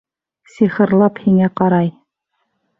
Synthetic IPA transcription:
siχɤ̆ɾlˠɑphiŋæqɑɾɑj

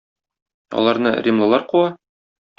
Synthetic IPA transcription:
ɒ̰lˠɑɾnɤrʲimlˠɤ̆lˠɑɾquɑ

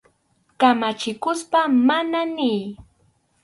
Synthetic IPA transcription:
kamat͡ʃɪkʊspamananɪj

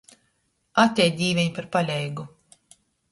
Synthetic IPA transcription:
at̪ʲɛjd̪ʲiːvʲɛɲpaɾpalʲɛjɡu

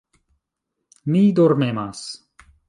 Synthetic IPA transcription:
nid̪oɾmemas

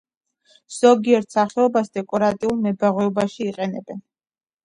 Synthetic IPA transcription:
z̥ɔɡiɛɾt̪ʰsaχɛɔbasd̪ɛkʼɔɾat̪ʼiulˠmɛbaʁwɛɔbaʃiːqʼɛnɛbɛn

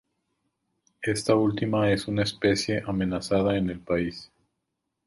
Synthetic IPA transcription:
e̞st̪ault̪imae̞sunaespe̞sje̞ʔame̞nasaðaene̞lpais

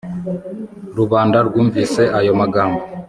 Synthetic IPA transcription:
ɾuβaːndaɾɡuːɱviːse̞ʔajo̞maɡaːmbo

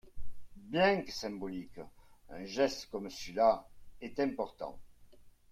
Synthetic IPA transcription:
bjɛ̃ŋksɛ̃mbolikəɛ̃ʒɛst̪kɔmsəlaɛt̪ɛ̃mpɔʁt̪ɑ̰̃ŋ

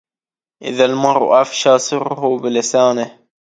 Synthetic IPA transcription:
ʔɪ̰ðalmɑɾ̰ˤʔafʃɑːsˤɨɾhubɪlɪsaːnɪh

